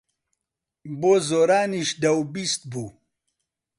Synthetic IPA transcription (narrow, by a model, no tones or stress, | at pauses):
bozoːɾaːniʃd̪ɐwbist̪̚buː